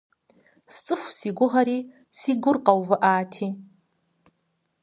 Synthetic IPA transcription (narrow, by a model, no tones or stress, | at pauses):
st͡sʼɨxʷsiɡʷʊʁaɾiː | siɡʷʊrqʼawvɨʔaːtʰi